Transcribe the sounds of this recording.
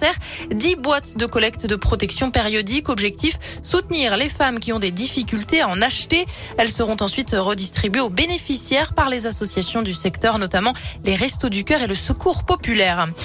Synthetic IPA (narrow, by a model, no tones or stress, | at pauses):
t̪ɛʁd̪ibwat̪d̪əkɔlɛk̚t̪d̪əpχɔt̪ɛksjɔ̃peʁjɔd̪ikɔbʒɛk̚t̪ifsut̪niʁlefamkʲiɔ̃d̪ed̪ifikʲylt̪eaɑ̃naʃt̪eɛlsəʁɔ̃t̪ɑ̃sɥit̪ʁəd̪ist̪χibɥeobenefisjɛʁpaʁlezasɔsjasjɔ̃d̪ysɛkt̪œʁnɔt̪amɑ̃leʁɛst̪od̪ykʲœʁeləsəkʰuʁpɔpylɛʁ